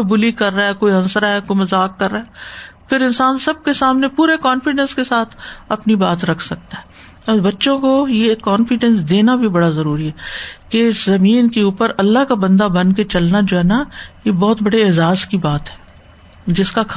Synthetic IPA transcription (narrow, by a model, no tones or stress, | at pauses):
kobʊlikɐɾːaɛkoːiɦɐ̃nsɾaɦɛkoimɐzaːkːɐɾːaɦɛːpʰɪɾɪ̃nsaːnsɐb̚kesaːmnepuːɾekɔːnfɪɖɛ̃nskesaːt̪ʰɐpnibaːt̪ɾɐkʰsɐk̚t̪aɦɛː | ɔːɾbɐtːʃõkojekːɔːnfɪɖɛ̃nsd̪eːnabʱibɐɽazɐɾuːɾiɦɛːkeɪszɐmiːnkeuːpəɾɐlːaɦkabɐ̃nd̪abɐ̃nket͡ʃɐlnad͡ʒoːɦɛnajebɔːt̪bɐɽeɪzaːskibaːt̪ɦɛː | d͡ʒɪskak